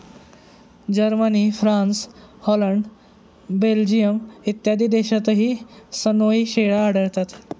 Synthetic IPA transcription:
d͡ʑəɾməniːfɾãnshɔləɳɖ | beld͡ʑijəmit̪jad̪iːd̪eɕat̪əɦiːsənoiɕeɭaːɽəɭt̪at̪

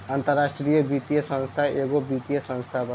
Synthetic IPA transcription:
ant̪əɾːaːʂʈɾijəbit̪ijɐsɐ̃ñst̪ʰaʔeːɡoːbiːt̪ijɐsɐ̃nst̪ʰabɐ

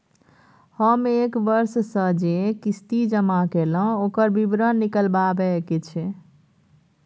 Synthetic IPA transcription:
həmekbəɾssə̃d͡ʒekist̪id͡ʒəmakelə̃okəɾbibɾənːikəlbabɛket͡ʃʰɛ

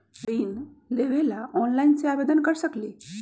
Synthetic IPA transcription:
ɾiːnleʋelaʔɔnlaint͡seabed̪ənkəɾɕəkle

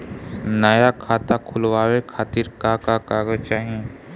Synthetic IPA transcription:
nəjakʰaːt̪akʰʊlwaːwekʰaːt̪iɾkakakaːɡət͡ʃaːɦie

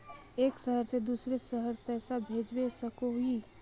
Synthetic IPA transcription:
eːksəɦəɾsed̪uːsɾesəɦəɾpɛːsabʱeːd͡ʒwesəkoɦui

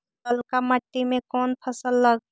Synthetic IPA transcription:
əlkaməʈːimẽkɔːnpʰəsəlːəɡ

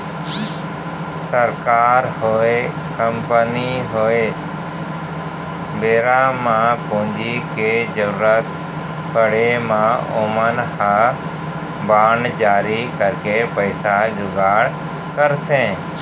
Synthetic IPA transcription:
səɾkaːɾhoe | kəmpəniɦoe | bʱeːɾamãːpʊ̃ɪ̃ɲd͡ʑikʰeːd͡ʒəɾuːɾət̪ | pəɽemãːoːmənxʰãː | baːɳɖd͡ʑaːɾikəɾkepəɪsad͡ʑʊɡaːɽ | kəɾsẽː

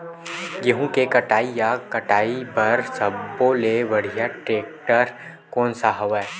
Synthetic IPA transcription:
jɐɦũkekɐʈaːijakɐʈaːipɐɾsɐbːoleʋɐɽ̤ijaʈɾeːk̚ʈəɾ | kɔːnsaɦɐʋɛː

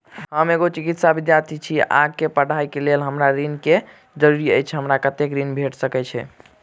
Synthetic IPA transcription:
ɦəmeɡot͡ʃikit̪sabid̪jaɾt̪ʰit͡ʃʰia̰ɡ̚kepəɽ̤ʱajkelelɦəmɾaɾinke | d͡ʒəɾuɾiə̰jt͡ʃʰɛɦəmɾakət̪ekɾinbʱeʈsəkɛt͡ʃʰɛ̰

